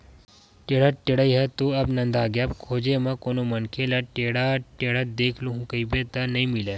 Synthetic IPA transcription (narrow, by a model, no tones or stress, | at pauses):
ʈeːɽaʈeɽəiɦɐt̪uɐbnɐ̃nd̪aːɡjabkʰoːd͡ʒemɐ̃koːnomɐnkʰelɐʈeɽaːʈeːɽad̪eːkʰluɦũkɐibet̪ɐnɐɦĩmile